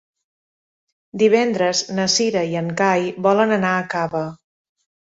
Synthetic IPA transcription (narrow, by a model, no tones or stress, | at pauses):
d̪iβ̞ɛnd̪ɾəznəsiɾəiəŋkajβɔlənənaəkaβə